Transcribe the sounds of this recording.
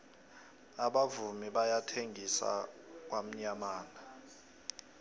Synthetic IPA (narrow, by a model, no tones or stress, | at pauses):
aɓavumiɓajatʰeŋisa̰k̬wam̩ɲamaːna